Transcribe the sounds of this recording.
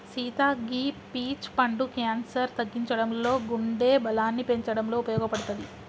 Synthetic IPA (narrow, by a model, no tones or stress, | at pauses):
siːt̪aːɡiːpiːt͡ʃpɐɳɖukjaːnsɐɾt̪ɐɡːiɲt͡ʃɐɽɐmlo̞ːɡuɳɖeːbɐlaːnːipe̞ɲt͡ʃɐɽɐmlo̞ːupɐjɔːɡɐpɐɽut̪ɐd̪i